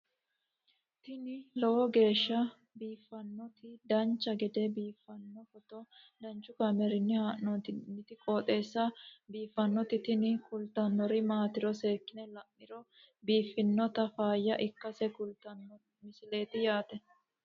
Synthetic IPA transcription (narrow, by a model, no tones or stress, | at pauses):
t̪ɪnɪlɔwɔɡe̞ːʃːɐ | biːfːɐnːɔt̪ɪd̪ɐnt͡ʃːɐɡɛd̪ɛbiːfːɐnːɔfɔt̪ɔ | d̪ɐnt͡ʃːʊkɐmɛɾɪnːɪhaʔɔt̪nːɪt̪ɪkʼoːt̪ʼe̞ːsːɐbiːfːɐnːɔt̪ɪt̪ɪnɪkʊlt̪ɐnːɔɾɪmaːt̪ɪɾɔse̞ːkːɪnɛlɐmːɪɾɔ | biːfːɪnːɔt̪ɐfaːjːɐʔɪkːɐsɛkʊlt̪ɐnːɔ | mɪsɪle̞ːt̪ɪjaːt̪ɛ